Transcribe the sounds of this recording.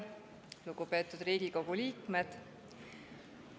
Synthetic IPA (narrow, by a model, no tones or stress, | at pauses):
luɡupe̞ːt̪ːˑud̪riːɡiko̞ɡ̥uliːkme̞d̪̥